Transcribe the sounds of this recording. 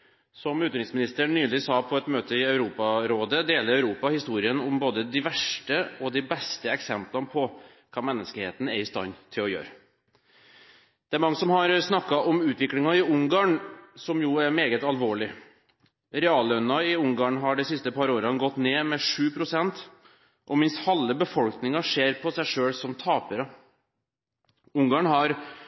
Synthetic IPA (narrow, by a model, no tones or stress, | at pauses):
sɔmʉːt̪ɾɪŋsmɪnɪst̪əɳnyːlɪsɑːpʰɔɛt̪møːt̪ʰəɪɑʉɾuːpɑɾoːd̪əd̪eːləɾɑʉɾuːpɑhɪst̪uːɾɪənɔmboːd̪əd̪ɪʋæʂʈəɔd̪ɪbɛst̪əɛksɛmplɑnpʰɔ | kʰɑːmɛnːəskəheːt̪n̩ɛɾɪst̪ɑ̰nt̪ʰɪlɔjø̰ːɾə | d̪ɛæɾmɑŋːəsɔmɦɑɾsnɑkːɑʔɔmʉːt̪ʋɪklɪŋɑɪʊŋɡɑːɳsɔmjuːæɾmeːɡət̪ɑlʋoːɭɪ | ɾɛɑːlœnːɑɪʊŋɡɑːɳɦɑɖɛsɪst̪əpʰɑɾoːɾəɑnɡɔt̪ːneːmɛʂʉːpʰɾʊsɛnt̪ | ʔɔmɪnst̪hɑlːəbəfɔlknɪŋɑʂeːɾpʰɔsæɪʂøːlsɔmt̪ʰɑːpəɾə | ʊŋɡɑɳɦɑɾ